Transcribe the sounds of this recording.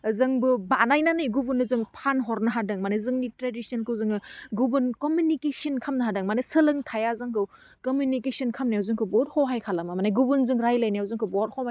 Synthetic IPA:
zɯŋbɯbanajnanɯjɡubunɯzɯŋpʰanɦɔɾnɯɦadɯŋmanezɯŋnitɾedisɔnkʰɯwzɯŋɯɡubɯnkomjunikesɐnkʰamnaɦadɯŋmanesɯlɯŋtʰajazaŋkʰɯw | komjunikesɔnkʰamnajawzɯŋkʰɯbɔt̚hɔɦajkʰalamamanajɡubunzɯŋɾajlajnaɐwzɯŋkʰɯbɔɾ̚hʰɔma

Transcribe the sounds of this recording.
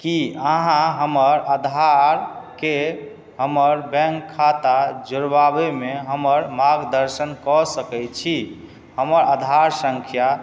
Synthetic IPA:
kiəɦãɦəməɾəd̪ʱaɾke | ɦəməɾbɛ̃ŋkʰːat̪ad͡ʒoɾbabemeɦəməɾmaɡd̪əɾsənkɔsəkɛt͡ʃʰi | həməɾad̪ʱaɾsə̃ŋkʰja

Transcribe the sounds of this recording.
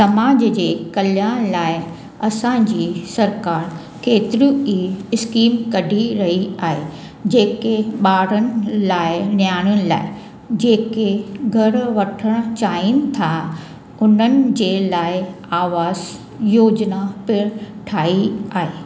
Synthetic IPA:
sɐmaːd͡ʑd͡ʑeːkɐljaːɽ̃laːɪ | ɐsãːɲd͡ʑiːsɐɾkaːɾ | keːt̪ɪɾũiɪskiːmkɐɖʱiɾɐɦiaːɦe | d͡ʑeːkeɓaːɽənɪ̆laːɪnjaːɽ̃ənɪ̆la̰ːɪ | d͡ʑeːkeɡʱɐɾʋɐʈʰəɽ̃t͡ɕaːinɪ̆t̪ʰa | ʊn̤ənɪ̆d͡ʑeːlaːɪ | aːʋaːz | joːd͡ʑnapɪɾ | ʈʰaːiaːɦeː

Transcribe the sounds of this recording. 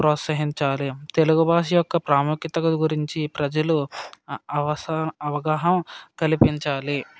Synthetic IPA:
pɾɔːt̪sɐɦiɲt͡ʃaːlit̪e̞luɡubʱaːʃ̬ijɔkːɐpɾaːmukit̪ɐkɐɡuɾiɲt͡ʃipɾɐd͡ʒɐlu | ɐʋɐsɐʋɐɡaːɦɐmkɐlipiɲt͡ʃaːli

